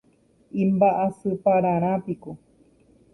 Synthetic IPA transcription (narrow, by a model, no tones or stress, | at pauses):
ĩmbaʔasɨpaɾãɾ̃ãpiko